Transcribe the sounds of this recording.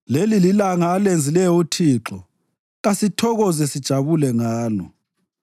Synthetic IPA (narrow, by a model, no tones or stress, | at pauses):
lelililaŋaːlend͡zʱilɛjɔutʰiːǁɔ | ɣasitʰɔɣɔzɛsid̥ʒ̥ʱaβulɛŋaːlɔ